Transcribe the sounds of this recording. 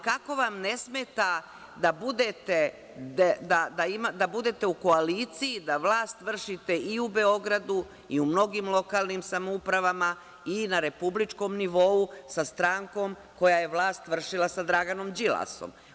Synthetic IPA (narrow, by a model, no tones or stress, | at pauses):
kako̞ʋamne̞smet̪a | d̪abud̪et̪e̞ | d̪ed̪ad̪aimad̪abud̪e̞t̪e̞uko̞aliːt̪sijid̪aʋlaːst̪ʋr̩ʃit̪e̞iube̞o̞ɡɾad̪u | iumno̞ɡiːmlˠo̞kaːlˠnimsamoupɾaʋama | inaɾe̞publit͡ʂko̞mniʋo̞usast̪ɾaːŋko̞m | ko̞jaje̞ʋlˠaːst̪ʋr̩ʂilasad̪ɾaɡano̞md͡ʒilˠa̰so̰m